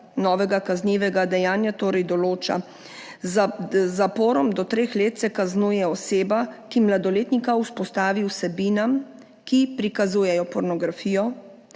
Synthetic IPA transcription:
nɔːʋɛɡakazniːʋɛɡad̪ɛjaːnjat̪oːɾɛjd̪ɔloːt͡ʃa̰ | zapɔːɾɔmd̪ɔt̪ɾeːxleːt̪̚sɛkaznuːjɛɔseːbakimlad̪ɔleːt̪nikauspɔst̪aːʋiwsɛbiːnam | kipɾikazuːjɛjɔpɔɾnɔɡɾafiːjɔ

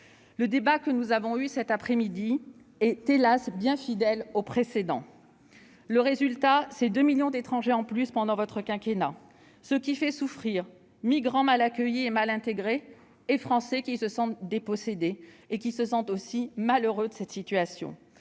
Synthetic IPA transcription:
ləd̪ebakənuzavɔ̃ysɛt̪apχɛmid̪i | ɛt̪elasbjɛ̃fid̪ɛlopχesed̪ɑ̰̃ | ləʁezylt̪asɛd̪ømiljɔ̃d̪et̪χɑ̃ʒeɑ̃plyspɑ̃d̪ɑ̃vɔt̪χəkʲɛ̃kʲena | səkʲifɛsufχiʁ | miɡʁɑ̃malakʲəjiɛmalɛ̃t̪eɡʁeː | fχɑ̃sɛkʲisəsɑ̃t̪d̪epɔsed̪eːkʲisəsɑ̃t̪osimaløʁød̪əsɛt̪sit̪ɥasjɔ̰̃

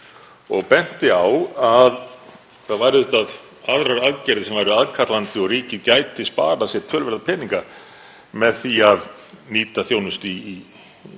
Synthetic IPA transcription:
ɔɣpɛn̥t̪ɪawað | θaðvajɾɪðʏht̪að | aðɾaɾaðcɛɾðɪsɛɱvajɾʏaðkʰat̪lant̪ɪɔɣriːcɪðcaːjt̪ɪspa̰ːɾasjɛt̪ʰœːlvɛɾðapʰɛniŋka | mɛðθiað | niːt̪aθjoːwnʏst̪iː

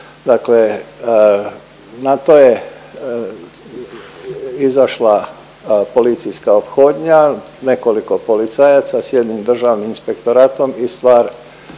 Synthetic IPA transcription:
d̪akle | nat̪o̞je | izaʃla | po̞lit̪sijskaopxo̞ːd̪ɲa | ne̞ko̞liko̞po̞lit̪saːjat̪sasjed̪nimd̪r̩ʒaʋniminspekt̪o̞ɾaːt̪o̞mist̪ʋaːɾ

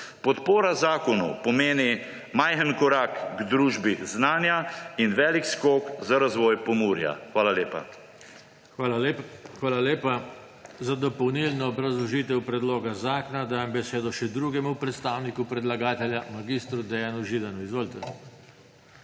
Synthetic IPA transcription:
pɔt̪poːɾazaːkɔnṵpɔmeːni | majxənkɔɾaːkɡd̪ɾuːʒbiznaːnjainʋɛlikskokzaɾazʋɔjpɔmuːɾja̰xʋaːlaleːpa̰ | xʋaːlaxʋaːlaleːpa | zad̪ɔpɔwnilnɔːbɾazlɔʒiːt̪ɛwpɾɛd̪loːɡazaːkɔnad̪aːjambɛseːd̪ɔʃɛd̪ɾuːɡɛmupɾɛt̪st̪aːwnikupɾɛd̪laɡaːt̪ɛljamaɡist̪ɾud̪ɛjanuʒiːd̪anuizʋoːlt̪ɛ

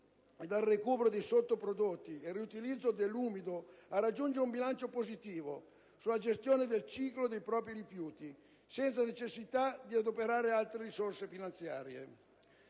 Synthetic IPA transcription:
ed̪arːekuːbeɾod̪ejsot̪ːopɾod̪ot̪ːierːiut̪ilid̪zːod̪elːuːmid̪oarːad͡ʒːund͡ʒeɾeumbilant͡ʃopozit̪iːvo̰ | sulːad͡ʒest̪joːned̪elt͡ʃiːklod̪ejpɾɔːpɾiɾifjuːt̪i | sɛnt̪sanet͡ʃesːit̪ad̪iad̪opeɾaːɾealt̪ɾeɾisorsefinant̪sja̰ːɾjḛ

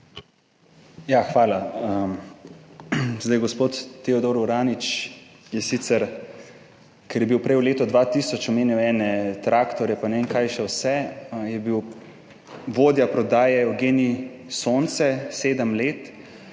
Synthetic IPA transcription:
jaxʋaːlaə | zd̪ajɡospoːt̪ːeod̪oɾuɾaːnit͡ʃ | jɛsiːsɛɾ | kʰɛɾjɛbiwpɾɛjwleːt̪ɔd̪ʋat̪iːsɔt͡ʃɔmeːnjɛwɛːnɛt̪ɾʔaːkt̪ɔɾjɛpanɛʋeːŋkaːjʃɛwsɛjɛbiw | ʋoːd̪japɾɔd̪aːjɛɔɡeːni | soːnt̪sɛseːd̪əmleːt̪

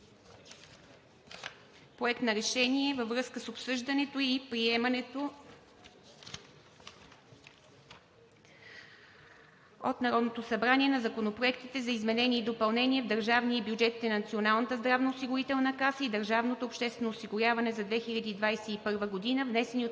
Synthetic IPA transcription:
pɾoɛk̚t̪nɐɾɛʃɛniɛvəvɾɤskəsopsɤʒd̪ɐnɛt̪oipɾiɛmɐnɛt̪o | o̰t̪nɐɾɔd̪not̪osɐbɾanʲiɛnɐzɐkonopɾoɛkt̪it̪ɛzɐizmɛnɛnʲiɛid̪opɐlˠnɛnʲiɛvd̪əɾʒavniɛbjud͡ʒɛt̪it̪ɛnnɐt̪sionalˠnət̪əzd̪ɾavnoːsiɡʊɾit̪ɛlˠnəkasəid̪əɾʒavnot̪oːpʃt̪ɛst̪vɛnosiɡʊɾʲavɐnɛzɐd̪vɛxiʎʲɐd̪iːd̪vajsɛipɤɾvəɡod̪inəvnɛsɛniot̪

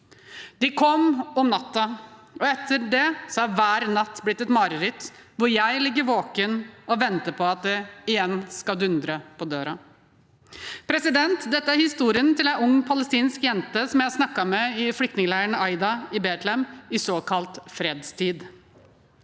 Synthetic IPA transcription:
d̪̥ɪkʰɔmɔmnɑt̪ːə | ɔɛt̪ʰːəɖɛsɔhɑɾʋæːɾnɑt̪ːblɪt̪ːɛt̪mɑːɾəɾɪt̪ | ʋʊɾjæɪlɪɡːəɾʋoːkənɔʋɛnt̪əpʰɔɑt̪̚d̪ɛɪjɛnskɑd̪ʉnd̪ɾəpʰɔd̪øːɾɑ | pʰɾɛsɪd̪ɛnt̪d̪ɛt̪ːəæɾhɪst̪uːɾɪənt̪ʰɪlæɪʊŋːpʰɑləst̪iːnskjɛnt̪əsɔmjæhɑɾsnɑkːɑmɛɪflʏkt̪nɪŋəlæɪəɳəɑɪd̪ɑɪbeːt̪lɛmɪsoːkʰɑlt̪fɾeːd̪st̪ʰiːd̪

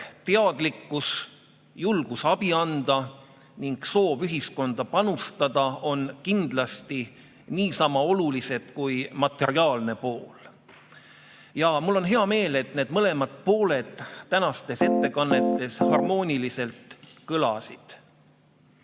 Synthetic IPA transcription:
t̪eɑd̪̥likːus | julɡ̥usɑb̥iɑnd̪̥ɑ | niŋɡ̥so̞ːbyɦisko̞nd̪̥ɑpɑnust̪ɑd̪̥ɑo̞nkind̪lɑst̪i | niːsɑmɑolulise̞d̪̥kujmɑt̪ːˑe̞ɾiɑːlne̞po̞ːl | jɑmulːo̞nɦe̞ɑme̞ːle̞t̪ne̞ːd̪mɤle̞mɑd̪̚po̞ːle̞d̪̥ːænɑst̪e̞se̞t̪ːe̞kɑnːe̞t̪ːe̞shɑrmo̞ːnʲilise̞lt̪kɤlɑsid̪̥

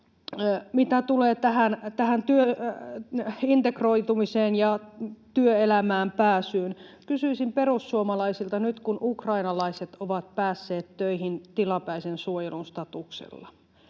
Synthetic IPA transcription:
mit̪æt̪uleːt̪æɦænt̪æhænt̪yø | int̪ekroit̪umiseːnjɑt̪yøelæmæːmpæːsyːnkysyisimperusːuomɑlɑisilt̪ɑnyt̪kunʔukrɑinɑlɑiset̪oʋɑt̪̚pæːsːeːt̪tøihint̪ilɑpæisensuojelunst̪ɑt̪uksḛlːɑ

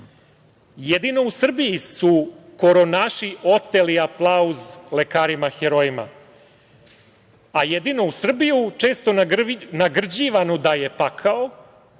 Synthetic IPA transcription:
jed̪ino̞usr̩bijisuko̞ɾonaʃiʔo̞t̪eliaplˠauzle̞kaːɾimaxeɾo̞jima̰ | ajed̪ino̞usr̩bijut͡ʂe̞ːst̪o̞naɡr̩d͡ʑiʋanud̪aje̞pakʰao

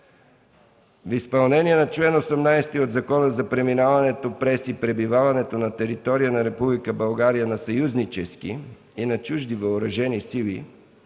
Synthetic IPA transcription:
vispɐlˠnɛniɛnɐt͡ʃlɛnosɐmnajst̪iod̪zɐkɔnəzɐpɾɛminavɐnɛt̪opɾɛsipɾɛbivavɐnɛt̪onɐt̪ɛɾit̪ɔɾijənɐɾɛpublikəbɐlˠɡaɾijənɐsɐjuznit͡ʃɛski | inɐt͡ʃuʒd̪ivɐoɾɐʒɛnisili

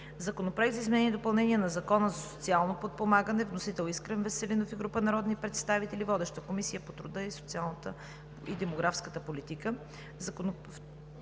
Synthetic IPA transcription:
zɐkonopɾoɛk̚t̪zizmɛnɛniɛd̪opɐlˠnɛnʲiɛnɐzɐkɔnəzɐso̥t̪sialˠnopot̪̚pomaɡənɛvnosit̪ɛlˠiskɾɛnvɛsɛlinofiɡɾupənɐɾɔd̪nipɾɛt̪st̪avit̪ɛlivɔd̪ɛʃt̪əkomisijəpot̪ɾʊd̪ɤiso̥t̪sialˠnt̪ə | ḭd̪ɛmoɡɾafskət̪əpolit̪ikə | zkon

